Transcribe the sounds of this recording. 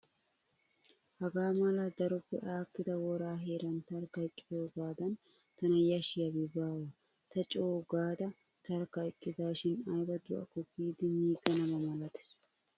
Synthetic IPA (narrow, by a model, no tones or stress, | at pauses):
hɐɡaːmɐlɐd̪ɐɾʊbːɛ̰ʔaːkːɪd̪ɐwɔɾaːɦe̞ːɾɐnt̪ɐɾkɐjɪkʼːɪ̥d̪oːɡaːd̪ɐn | t̪ɐnɐjɐʃɪjɐbɪbaːwɐ | t̪ɐt͡ʃʼoːɡaːd̪ɐ | t̪ɐɾkɐjkʼːɪd̪aːʃɪnajbɐd̪ʊʔɐ̰kʊkiːd̪ɪmiːɡɐnɐbɐmɐlɐt̪ɪ̥s